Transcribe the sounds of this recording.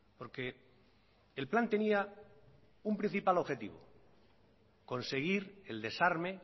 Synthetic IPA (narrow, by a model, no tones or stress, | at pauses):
po̞ɾke̞ː | lplant̪e̞nia | umpɾin̟θipalo̞βxe̞t̪ḭβ̞o̰ | ko̞nse̞ɣ̞iɾe̞ld̪e̞saɾme